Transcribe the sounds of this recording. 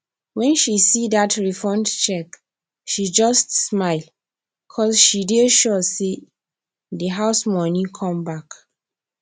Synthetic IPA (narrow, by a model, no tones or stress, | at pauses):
wɛ̃nʃisidatʰɹifɔ̃ndt͡ʃɛk | ʃid͡ʒʌstsmaɪl | kʰɔsʃideʃɔse | ðəɦaʊsmɔnĩkʰɔ̃mbak